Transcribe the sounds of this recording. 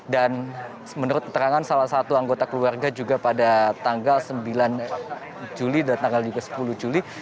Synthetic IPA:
dan | mənuɾʊt̪̚kə̥t̪əɾaŋansalahsat̪uaŋɡot̪akəluarɡad͡ʒuɡapadat̪aŋɡalsəmbilan | d͡ʒulidaat̪aŋɡald͡ʒuɡasə̥puluhd͡ʒuli

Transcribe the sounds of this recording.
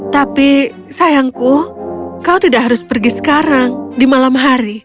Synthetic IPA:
t̪api | sajaŋkuhkaut̪idaʔɦaɾʊspərɡisə̥kaɾaŋdimalamɦaɾi

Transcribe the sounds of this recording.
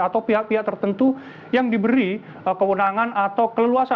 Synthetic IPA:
at̪awpiɦaʔ̚piɦaʔ̚t̪ərt̪ənt̪u | jaŋdibəɾi | kəwənaŋanat̪awkələluasa

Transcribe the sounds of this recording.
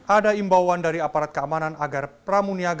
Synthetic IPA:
ʔadaimbawandaɾiapaɾat̪̚kəamananaɡarpramuniaɡ

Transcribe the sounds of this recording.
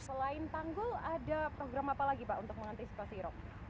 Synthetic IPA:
səlaɪnt̪aŋɡʊladapɾoɡɾamapalaɡipaʔunt̪ʊk̚məŋant̪isi̥pasiɾɔk̚

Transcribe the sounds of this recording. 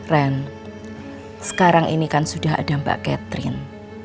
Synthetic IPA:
rɛn | sə̥kaɾaŋʔḭnikansud̥aɦa̰d̥amba̰ʔkɛt̪ɾɪ̰n

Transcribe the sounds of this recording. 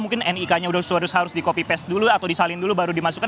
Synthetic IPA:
muŋkɪnɛnikaɲaudahusuaɾʊshaɾʊsdikopipɛs̚duluat̪awdisalɪndulubaɾudimasuka

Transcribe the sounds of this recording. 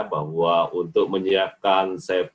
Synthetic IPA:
baɦuaʔunt̪ʊk̚məɲiakansap

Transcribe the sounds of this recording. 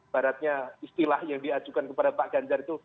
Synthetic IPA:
baɾat̪̚ɲaist̪ilahjaŋdiad͡ʒukankəpadapaʔɡ̥aɲd͡ʒarit̪u

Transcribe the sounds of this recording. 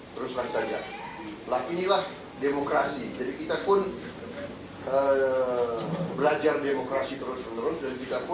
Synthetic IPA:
t̪əɾʊslaŋsad͡ʒa | lahinilah | demokɾasid͡ʒadikit̪apʊn | ə | bəlad͡ʒardemokɾasit̪əɾʊsmənuɾʊsdankit̪apʊ

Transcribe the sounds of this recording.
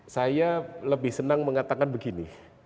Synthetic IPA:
sajaləbɪhsənaŋməŋat̪akanbəɡini

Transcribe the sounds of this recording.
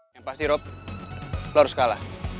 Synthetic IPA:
jaŋpast̪iɾɔp̚ | lɔɾuskalah

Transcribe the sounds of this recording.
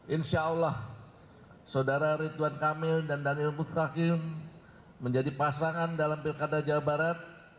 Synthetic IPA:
ʔɪnsaulah | sadaɾaɾit̪uankamɪldandanilmusakɪmː | əɲd͡ʒadipasaŋandalampilkadad͡ʒawabaɾat̪̚

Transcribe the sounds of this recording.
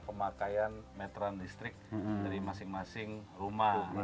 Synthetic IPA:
pəmakajanmɛt̪ɾandist̪ɾɪk̚daɾimasɪŋmasɪŋruma

